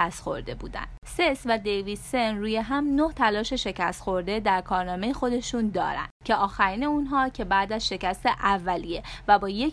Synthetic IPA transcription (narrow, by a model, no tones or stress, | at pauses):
æst̪xo̞̰ɾd̪e̞bṵːd̪æ̰nd̪̥se̞svæd̪e̞jvid̪̥senɾuːjeɦæmno̞ht̪ʰælɒːʃe̞ʃe̞cæst̪xo̞ɾd̪e̞d̪æɾkʰɒːɾnɒːme̞jexo̞d̪e̞ʃund̪ɒ̰ːɾæ̰nd̪̥cʰe̞ʔɒːxæɾiːne̞unɦɒːcʰe̞bæːd̪æzʃe̞cæst̪eʔævːælije̞væbɒːjek